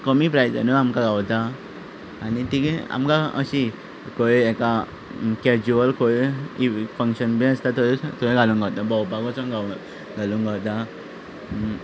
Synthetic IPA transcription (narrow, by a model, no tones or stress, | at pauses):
kəmipɾajd͡zə̰nəamkaɡawt̪aː | nit̪ika̰mkaə̰ɕi | koeɛka | kɛd͡ʑuəlkoeifə̃ŋkɕənbĩəst̪at̪oɾet̪oẽɡʱalũŋɡawt̪abawpakɔ̃t͡sɔ̃ŋɡaw | ɡʱaluŋɡawt̪a